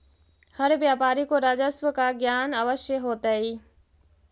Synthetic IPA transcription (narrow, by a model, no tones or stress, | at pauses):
hɐɾʋjaːpaːɾikoɾaːd͡ʑəsʋəkaɡjaːnaʋəʃeɦoːt̪əiː